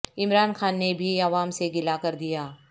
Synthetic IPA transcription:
ɪmɾaːnxaːnːebʱiɐʋaːmseɡɪlakɐɾd̪ijaː

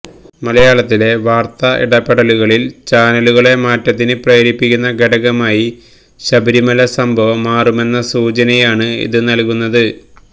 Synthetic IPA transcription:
mɐlɐjaːɭɐt̪ːile̞ʋaːrt̪ɐʔḭɽɐpːeɽɐluɣɐɭilt͡ɕaːnɐluɣɐɭe̞maːtːɐt̪̬ːinɨprɐjɾipːikʲːunːɐɡeɽɐɣɐmaːji | ɕɐbɐɾimɐlɐsɐmbʱɐʋɐmːaːrume̞nːɐsuːt͡ɕɐnɐjaːɳɨḭðɨnɐlkunːɐðɨ

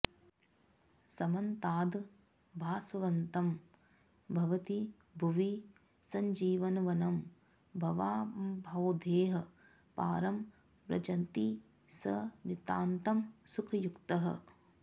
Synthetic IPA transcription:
sɐmɐnt̪aːd̪ | bʱaːsɐʋɐnt̪ɐm | bʱɐʋɐt̪i | bʱuʋi | sɐɲd͡ʒiːʋɐnɐʋɐnɐm | bʱɐʋaːbʱɐwd̪ʱeːɦɐ̆ | pa̰ːɾɐm | pɾɐ̰d͡ʒɐnt̪i | sɐnit̪aːnt̪ɐmsukʰɐjukt̪ɐɦɐ̰

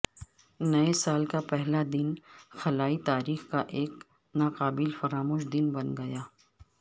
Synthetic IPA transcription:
nɐesaːlkapɛɦlad̪ɪnxɐlaːit̪aːɾiːxkaʔeːk | naːqaːbɪlfɐɾaːmoːʃd̪ɪnbɐnɡɐjaː

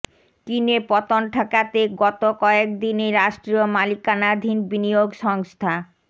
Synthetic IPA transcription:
kinepɔt̪onʈʰakat̪eɡɔt̪okɔek̚d̪ineɾaʃʈɾiomalikanad̪ʱinbinioɡʃɔŋst̪ʰa

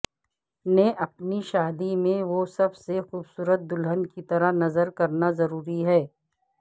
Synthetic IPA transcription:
nẽʔɐpniʃaːd̪imẽʋosɐbsexuːbsuːɾət̪̚d̪ʊlɦənkit̪ɐɾəɦnɐzəɾkɐɾnazɐɾuːɾiɦɛː

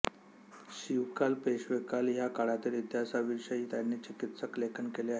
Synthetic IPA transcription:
ɕiʋkalpeɕʋekaljakaɽat̪ilit̪jasaʋiɕəit̪janːet͡ɕikit̪səklekʰənkeleaɦe

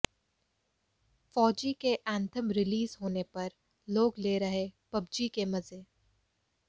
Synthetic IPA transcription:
fɔːd͡ʒikeʔæ̃ːnt̪ʰəmɾɪliːzɦoːnepɐɾ | loːɡleɾɐɦepɐbd͡ʒikemɐzeː

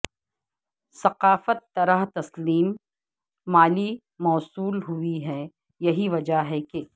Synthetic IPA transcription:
sɐqaːfət̪ːɐɾaɦt̪ɐsliːmː | aːli | mɔːsuːlɦʊiɦɛ | jɐɦiʋɐd͡ʒaɦɛke

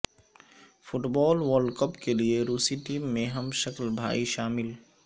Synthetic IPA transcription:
fʰʊʈbɔːlʋəɾɖkəpkelieɾuːsiʈiːmːẽɦɐmʃɐklbʱa̰ːiʃaːmɪl

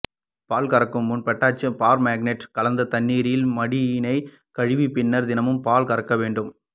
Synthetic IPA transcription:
paːlkɐɾɐkːɯmːʊnpɐʈːaːt͡ʃːɐpaːɾmaːɡnɛʈkɐlɐnd̪ɐt̪ɐnːiːɾɪjɪlmɐɽɪjɪnɐɪ | kɐɻɪʋipɪnːɐɾd̪ɪnɐmɯmpaːlkɐɾɐkːɐʋeːɳɖɯm

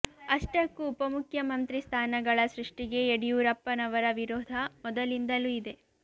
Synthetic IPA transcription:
ɐʂʈɐkːuːpɐmukʰjɐmɐnt̪ɾist̪ʰaːnɐɡɐɭɐsɾuʂʈiɡe̞eɽijuːɾɐpːɐnɐʋɐɾɐʋiɾɔːd̪ʱɐmɔd̪ɐlind̪ɐluid̪e̞

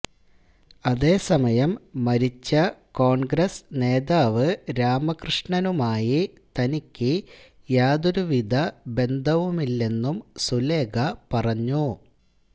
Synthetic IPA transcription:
ɐðe̞ːsɐmɐjɐmːɐɾit͡ɕːɐko̞ːɳɡɾɐsne̞ːðaːʋɨɾaːmɐkrɨʂɳɐnumaːjit̪ɐnikʲːɨ | jaːd̪oɾuʋid̪ʱɐbe̞nd̪ʱɐʋumilːe̞nːumsule̞ːɡɐpɐrɐɲːu

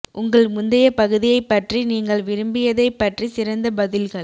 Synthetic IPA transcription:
ʔʊŋɡɐɭmʊnd̪ɐjɐpɐɣɯðɪjɐɪpːɐʈriniːŋɡɐɭʋɪɾɯmbɪjɐðɐɪpːɐʈrisɪɾɐnd̪ɐbɐðɪlɣɐɭ

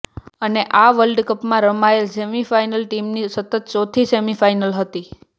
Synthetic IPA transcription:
əneʔaʋəlɖkəpmãɾəmaelsemifajnəlʈimnisət̪ət̪̚t͡ʃɔt̪ʰisemifajnəlɦət̪i

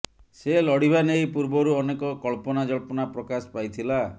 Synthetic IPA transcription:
selɔɽ̤ibʱanejpuɾbɔɾuɔnekɔkɔɭpɔnad͡ʒɔɭpɔnapɾɔkaspajt̪ʰila

